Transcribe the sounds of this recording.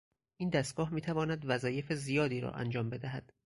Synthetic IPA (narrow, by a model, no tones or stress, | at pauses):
ʔiːnd̪æst̪̚ɡ̥ɒːhmiːt̪ʰævɒːnæd̪væzɒːje̞fezijɒːd̪iːɾɒ̰ʔæ̰nd͡ʒɒːmbe̞d̪æɦæd̪̥